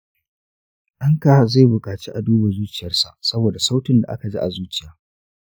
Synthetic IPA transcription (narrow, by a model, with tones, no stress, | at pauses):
ʔɐ˦ŋka˨za˦˨jbʊ˨kʼaː˨t͡ʃi˦ʔa˨duː˦ba˨zuː˦t͡ʃɪ˨jɐ˦rsa̰˨sɐ˦boː˨da˨sa˦wtɪ˨nda˨ʔa̰˦ka˨d͡ʒi˦ʔa˨zuː˦t͡ʃɪ˨jaː˦